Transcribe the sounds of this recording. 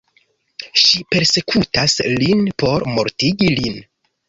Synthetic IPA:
ʃipe̞ɾse̞kʰutaslinpo̞ɾmo̞ɾtiɡilin

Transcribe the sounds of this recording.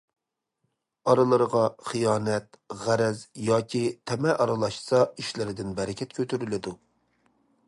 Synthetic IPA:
ɑɾɨlˠəɾəʁɑχijɑːnɛt̪ | ʁæɾɛzjɑːkʲʰit̪ʰɛmɛʔɑɾɨlˠɑʃsɑiʃlɪɾɪd̪ɪnbɛɾɪkʲʰɛt̪̚kʲʰøt̪ʰyɾylɪd̪u

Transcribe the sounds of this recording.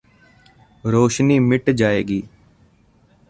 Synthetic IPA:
ɾoːʃniːmɪʈd͡ʒaːeːɡiː

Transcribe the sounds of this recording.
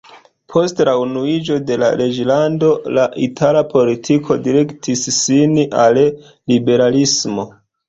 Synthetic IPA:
pʰo̞stlaunuid͡ʒo̞de̞la̰ɾe̞d͡ʒlando̞laʔitʰalapo̞litʰikʰodiɾe̞ktʰisːinal | libe̞ɾalismo̞

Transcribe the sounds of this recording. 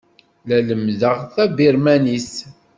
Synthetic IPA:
læləmðəʁθæbiɾmænis

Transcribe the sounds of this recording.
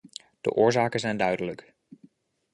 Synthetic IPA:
d̥ə̰ʔʊːɹzaːkənzɛjndœɥdələk

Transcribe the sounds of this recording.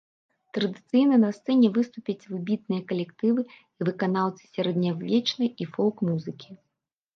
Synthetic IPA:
t̪ɾɐd̪ɨt̪sɨjnɐnɐst̪sɛnʲɛvɨst̪upʲɐt͡sʲvɨbʲit̪̚nɨjɐkɐlʲɛkt̪ɨvɨ | ivɨkanawˠt̪sɨ̥sʲɐɾɐd̪nʲawvʲɛt͡ʂnɐjifɔlˠkmuzɨkʲi̥

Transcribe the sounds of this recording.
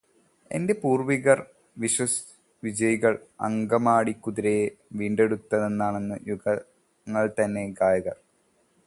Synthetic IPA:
e̞̰nde̞puːrʋiɣɐr | ʋiɕwɐs | ʋid͡ʑɐjiɣɐɭɐ̰ŋɡɐmaːɽikːuðiɾejeʋiːɳɖe̞ɽut̪ːɐðe̞nːaːɳe̞nːɨjuɣɐ | ŋːɐɭt̪ɐnːe̞ɡaːjɐɣɐr

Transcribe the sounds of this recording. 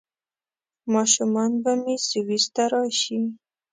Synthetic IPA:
mɑʃumɑnbamesiwist̪aɾɑʃi

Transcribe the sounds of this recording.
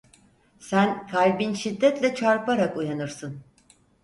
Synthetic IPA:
sænkʰalʲbinʃid̪ːɛt̪lʲɛt͡ʃʰaɾpaɾakujanɯɾsɯn

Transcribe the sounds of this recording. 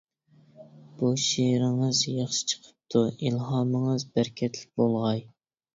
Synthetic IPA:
b̥uʃiɾɪŋəzjɑχʃɨ̥t͡ʃʰə̥qʰə̥p̚t̪ʰuilɦɑːməŋɨzbæɾkʲʰɛt̪lɪk̚ʲbolˠʁɑj

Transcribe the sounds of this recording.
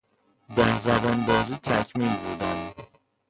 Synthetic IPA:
d̪æhzæbɔnb̪ɒːzit̪ʰæcʰmilbud̪ænd̪

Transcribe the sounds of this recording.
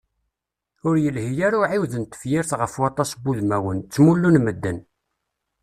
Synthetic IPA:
ʊɾjəlhijaɾuʕiwðənt̪ə̥fjɪɾθʁəfwɑt̪ˤɑsbuðmæwənt͡sːmulːunməd̪ːən

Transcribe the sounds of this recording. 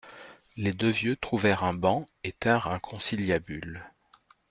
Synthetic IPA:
led̪øvjøt̪χuvɛʁɛ̃bɑ̃ | et̪ɛ̃ʁɛ̃kʰɔ̃siljabyl

